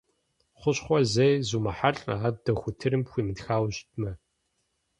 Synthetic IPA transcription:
χʷʊɕχʷɔzejzumɐħaɬʼaːdɐxʷʊtʰɨɾɨmpxʷiːmɨtxaːwɕtʰmɐ

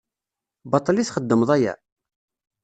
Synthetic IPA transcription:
bɑt̪ˤɑlisχəd̪ːəmðˤæjæ̰

